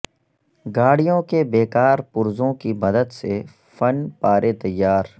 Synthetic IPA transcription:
ɡaːɽijõkebeːkaːɾpʊɾzõkimɐd̪əd̪se | fɐnpaːɾʔet̪ɐjːaːɾ

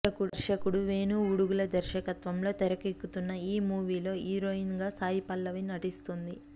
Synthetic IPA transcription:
ɐkuɾʃɐkuɽuʋe̞ːnuːuɽuɡulɐd̪ɐɾʃɐkɐt̪ʋɐmlo̞ːt̪ɛɾɐkikːut̪unːɐiːmuːʋiːlo̞ːiːɾoːinɡaːsaːjipɐlːɐʋinɐʈist̪und̪i

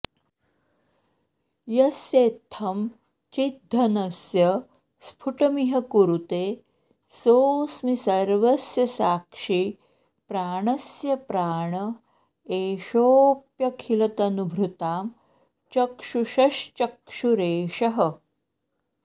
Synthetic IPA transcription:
jɐsjeːt̪ʰːɐm | t͡ʃid̪ʱːɐnɐsjɐ | spʰuʈɐmiɦɐkuɾut̪eː | soːsmisɐɾʋɐsjɐsaːkʂi | pɾaːɳɐsjɐpɾaːɳɐ | eːʃoːpjɐkʰilɐt̪ɐnubʱɾut̪aːm | t͡ʃɐkʂuʃɐʃt͡ʃɐkʂuɾeːʃɐɦɐ

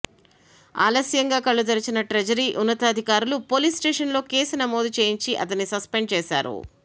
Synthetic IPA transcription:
a̰ːlɐsjɐŋɡaːkɐɭːud̪ɐɾɐt͡ʃinɐʈɾɐd͡ʒɐɾiːʔunːɐt̪ɐːd̪ʱikaːɾulupo̞ːliːsʈeːʂɐnlo̞ːke̞ːsunɐmoːd̪ut͡ʃe̞ːjiɲt͡ʃiʔɐt̪ɐnːisɐspeɳɖ̚t͡ʃɛːsa̰ːɾṵ

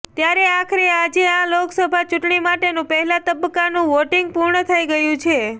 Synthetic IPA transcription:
t̪jaɾeakʰɾead͡ʒeãloksəbʱat͡ʃuʈɳimaʈenũpəɦɛlat̪əbəkːanũʋoʈiŋɡ̚puɾɳət̪ʰəiɡəjũt͡ʃʰe

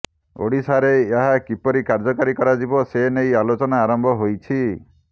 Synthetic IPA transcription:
o̰ɽisaɾeːɦakipɔɾikaɾd͡ʒɔkaɾikɔɾad͡ʒibɔsenejalot͡ʃɔnaːɾɔmbʱɔɦojt͡ʃʰi

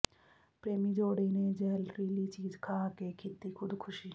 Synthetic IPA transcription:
pɾeːmid͡ʒoːɽened͡ʒelɾilit͡ʃiːd͡ʒkʰaːkekʰit̪ːikʰud̪kʰʊʃi

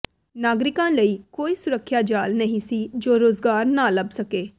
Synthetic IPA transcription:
naːɡɾɪkãːləiːkoːiːsʊɾəkʰːjaːd͡ʒaːlnəɦĩːsiːd͡ʒoːɾoːzɡaːɾnaːləbsəkeː

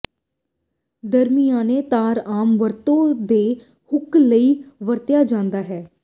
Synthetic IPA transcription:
d̪əɾmijãːneːt̪aːɾaːmʋəɾt̪õːd̪eː | hʊkləiːʋəɾt̪ɪjaːd͡ʒãːnd̪aːɦɛː

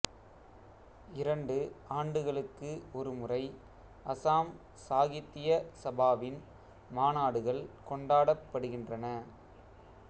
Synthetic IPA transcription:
ɪɾɐɳɖɯaːɳɖɯɣɐɭɯkːɯɔɾɯmʊrɐɪ | ʔɐsaːm | saːɣɪt̪ːɪjɐsɐbaːʋɪn | maːnaːɽɯɣɐɭkɔɳɖaːɽɐpːɐɽɯɣɪndrɐnɐ

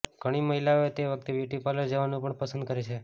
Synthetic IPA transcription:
ɡʱəɽ̃iməɦilaoet̪eʋək̚t̪eʋjuʈjupaləɾd͡ʒəʋanũpəɳpəsə̃nd̪̚kəɾet͡ʃʰe

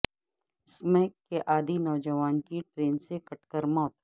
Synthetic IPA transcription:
smɛːkːeʔaːd̪inɔːd͡ʒəʋaːnkiʈɾeːnsekɐʈkəɾmɔːt̪

